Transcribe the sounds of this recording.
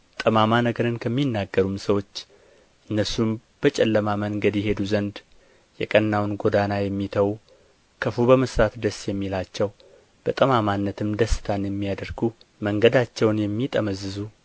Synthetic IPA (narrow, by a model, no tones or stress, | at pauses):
t̪ʼəmamanəɡəɾɨnkʰəmːinːaɡːəɾumsəwo̞t͡ʃː | ʔɨnːəsumb̥ət͡ʃʼɛlːəmaməŋɡəd̪jɛɦe̞d̪uzənd̪ | jɛkʼənːawnɡo̞d̪anajɛmːit̪ʰəwu | kʰəfubəməsɾat̪d̪əsjɛmːilat͡ʃːɛw | b̥ət̪ʼəmamanːət̪ʰɨmd̪əsːɨ̥t̪ʰanjɛmːijad̪əɾɡu | məŋɡəd̪at͡ʃːɛwnjɛmːit̪ʼəməzːɨzu